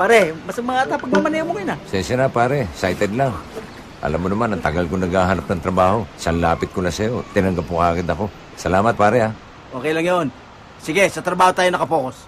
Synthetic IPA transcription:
paːɾɛmɐsɐmɐŋat̪apɐɡ̚nɐmɐnajɐŋmokɪnasɛnsɐnapaːɾɛsajt̪ɛd̪laŋ | ʔɐ̰lamːonɐmanɐŋt̪ɐɡalkonɐɡaːɦaɾap̚nɐŋt̪ɾɐbaːho̞sɐnlaːpɪt̪̚kʊlasɐjo̞t̪ɪnɐŋɡapːokaːkɪnɐko̞ | sɐlaːmɐt̪̚paːɾɛa | ʔo̞ːkɛjlɐŋjon | sɪɡɛsɐt̪ɾɐbaːhot̪aːjonɐkɐpoːkos

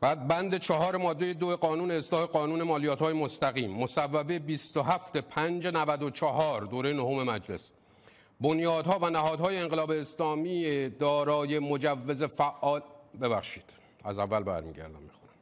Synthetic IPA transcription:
bæːd̪̚bænd̪et͡ʃʰɒɦɒːɾe̞mɒːd̪ːejed̪oeɢɒːnuːne̞ːslɒːhe̞ɡɒːnuːne̞mɒːlijæːt̪hɒːjemost̪æɣiːmːosævːæbebist̪oɦæft̪e̞pʰænd͡ʒenævæd̪ot͡ʃʰɒɦɒːɾd̪oːɾe̞jenohome̞mæd͡ʒle̞̰s | bonjɒːd̪hɒːvænæɦɒːd̪hɒːje̞eŋɢelɒːbe̞ːslɒːmiːed̪ɒːɾɒːje̞mod͡ʒævːe̞ze̞fæʔːɒːlbe̞bæxʃiːd̪̥ | æ̰zævːælbæ̰ɾmḭːɟæ̰ɾd̪æ̰mmixoɾæ̥m

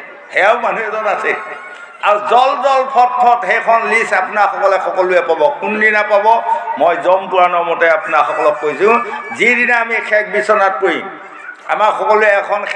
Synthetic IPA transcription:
hɛaʊmanuɛzɔnasɛ | aɹuzɔlzɔlpʰɔtʰːɔthɛjkʰɔnlisapunaɹxɔkɔlɛxɔkɔluɛpabɔkundinapabɔmojzɔmpʊɹanɔmɔtɛapunaxɔkɔlɔkːoisʊ̃zidinaːmikʰɛk̚ʰbisɔnat̚kojḭ̃ | a̰maxɔkɔluɛɛkʰɔn

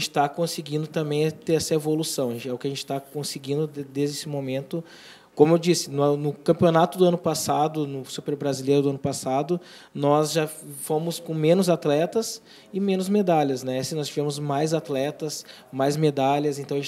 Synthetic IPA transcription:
t͡ʃɪ̥t̪akõsɪɡĩnd̪ʊt̪ɐ̃mbẽj̃t̪eɾɛsɐevolusɐ̃w̃ɐẽt͡ʃɛʊkɪɐʒẽnt͡ʃɪ̥t̪akõsɪɡĩnd̪ʊd̪ezd͡ʒesɪmomẽnt̪ʊ | kõmʊewd͡ʒisɪnnʊkɐ̃mpionat̪ʊd̪ʊɐ̃nʊpasad̪ʊnʊsupeɾbɾazilejɾʊd̪ʊɐ̃nʊpasad̪ʊ | nɔzʒafomʊskõmẽnʊzat̪lɛt̪ɐs | ɪmẽnʊzmed̪alʲɐsnɛɛsɪ̃nɔst͡ʃivẽmʊzmajzat̪lɛt̪ɐs | majzmed̪alɐzẽnt̪ɐ̃w̃ɐʒẽt͡ʃ

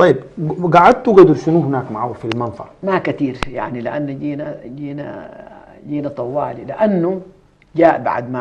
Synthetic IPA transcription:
t̪ˤɑjːib̚ɡaʕad̪̚t̪uɡad̪ʊɾʃinuːhɪnaːkmaʕawːfilmɑnt̪ˤɑ̰ɾmakat̪iːɾja̰ʕnilɪʔanːd͡ʒiːnaɟiːna̰ | ɟiːnat̪ˤɑwːa̰ːlilɪʔanːu | d͡ʒaːʔba̰ʕd̪ma

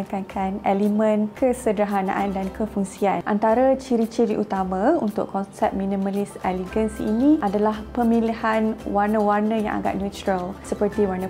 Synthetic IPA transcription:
kakʰanɛlimə̃nkʰəsədɾaɦana̰ʔandankʰəfuŋsianʔa̰nt̪aɾat͡ʃiɾit͡ʃiɾiʔut̪amãunt̪ʊ̰ʔkɔnsɛp̚minĩmalisɛliɡənsḭnĩʔadalahpəmilihanwarnə̃warnə̃ja̰ŋʔa̰ɡa̰ʔ̪̚njut̪ɾəlsəpərt̪iwarnə̃

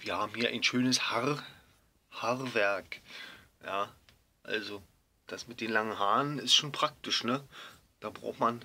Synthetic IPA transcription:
viːɐhaːbm̩hiːɐʔa̰ɪnʃøːnəshaʁ | haʁvɛɐk | jaː | ʔa̰lzo | d̥asmɪt̚d̥eːnlaŋənɦaːnənɪstʃoːnpʁ̥ak̚tɪʃnə | d̥aːbʁa̰ʊxtman

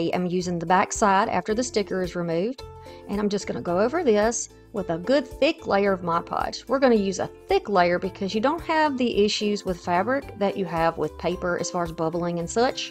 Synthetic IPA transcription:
ʔã̰ɪ̃mjʉzɪ̃ŋðəbæksaɪɾæ̰ftə˞ðɨstɪkə˞ɨzɹɨmʉvdʔɨ̃ɾ̃ãɪ̃md͡ʒʌsɡ̥ʌnəɡoʊoʊvə˞ðɪs | wəðəɡʊd̪̚θɪklḛɪə˞ʌvmɑɪpʰɑ̰d͡ʒ̥wɪɹɡʌñɨjʉzə̰θɪkleɪə˞bɨkʰʌzjɨdõʊ̃nt̚hɨvðiʔɪʃʉzwɨð̥fæbɹɪk̚ðɨt͡ʃɨəvwɪ̰ð̥pʰeɪpə˞ʔɨ̰z̥fɑɹɨzbʌbl̩ˠɪ̃ŋɨ̃nsʌt͡ʃ

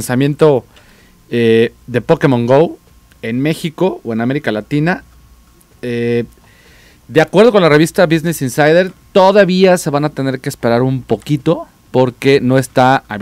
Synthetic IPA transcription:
nsamje̞nt̪o̞ | eðe̞po̞ke̞mõŋɡow | e̞nme̞xiko̞oe̞name̞ɾikalat̪ina | e | d̪eakwe̞ɾð̞oko̞nlare̞β̞ist̪aβiznesinsajðe̞ɾt̪o̞ðaβiase̞βanat̪e̞ne̞ɾkeːspe̞ɾaɾumpo̞kit̪o̞ | po̞ɾke̞no̞e̞st̪aa

